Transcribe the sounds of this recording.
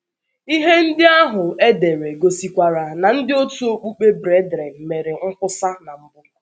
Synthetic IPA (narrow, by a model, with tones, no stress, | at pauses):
i˦ɦe˦n̩˦dɪ˦a˦ɦʊ˨e˦de˨ɾe˨ɡo˨si˨kʷa˨ɾa˨na˨n̩˦dɪ˦o˦tu˦o˦k͡pu˦k͡pe˦bɾe˦dɾe˨me˨ɾɪ˨ŋ̩˦kʷʊ˦sa˦na˨m̩˦bʊ˦k